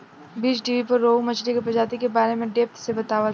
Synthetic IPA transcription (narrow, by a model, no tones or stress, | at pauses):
biːt͡ʃʈiːʋipɐɾːoːmɐt͡ʃlikepɾɐd͡ʒaːt̪ikebaːɾemẽɖeːp̚t̪sebɐt̪aːʋə